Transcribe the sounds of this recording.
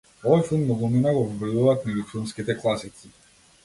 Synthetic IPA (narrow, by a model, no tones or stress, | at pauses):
ɔvɔjfilˠmnɔɡɔninaɡɔvɔvɛd̪uvaːt̪nɛjufilˠmskit̪ɛklˠasisi